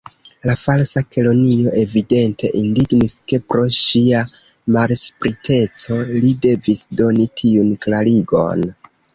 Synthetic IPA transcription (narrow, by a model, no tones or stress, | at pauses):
lafalsake̞lo̞nio̞ʔe̞vide̞ntʰe̞ʔindiɡniske̞pɾo̞ʃia | malspɾitʰe̞t͡so̞lide̞visdo̞nitʰiunklaɾiɡo̞̰n